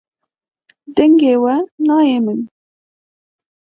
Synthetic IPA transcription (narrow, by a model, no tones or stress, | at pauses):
d̪ɛŋɡeːwɛnɑːjeːmɨn